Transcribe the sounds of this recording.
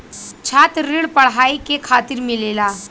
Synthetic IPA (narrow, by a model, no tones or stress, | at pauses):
t͡ʃʰaːt̪ɾɪɽpɐɽ̤ɦaːikekʰaːt̪ɪɾmeleːlaː